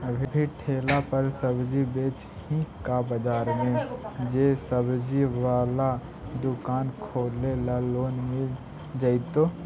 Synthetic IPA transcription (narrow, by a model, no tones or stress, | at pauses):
əbʱibʱiʈʰeːlapəɾsəbd͡ʒibeːt͡ʃ | hĩkabəd͡ʒaːɾmẽd͡ʒeːsəbd͡ʒiwaːla | d̪ʊkaːnkʰoːlelaloːnme | d͡ʒəɪt̪oː